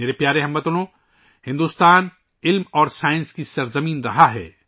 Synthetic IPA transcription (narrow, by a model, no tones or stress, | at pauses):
eːɾepjaːɾeɦɐmbɐt̪olõ | hɪ̃nd̪uːst̪aːn | ɪlmɔːɾsaːɪ̃nskisɐɾzɐmiːnɾɐɦaɦɛ̰ː